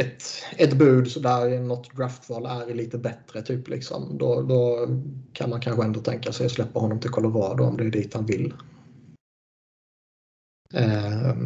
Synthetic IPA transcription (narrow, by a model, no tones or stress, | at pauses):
ɛt̪ɛt̪bʉ̟ːd̪sɔd̪æɾnɔt̪ːd̪ɾaft̪vɑːlæɾliːt̪əbɛt̪ɾət̪ʰyːplʔɪ̰ksɔ̰md̪ɔd̪ɔkʰa̰nmankʰanɧəɛnd̪ɔt̪ʰɛŋkasɛjɔslɛpːahɔnːɔmt̪ʰɪlkʰɔlɔɾɑːd̪ʊ̰ɔ̰md̪ɛːɖ̪iːt̪hanvɪlː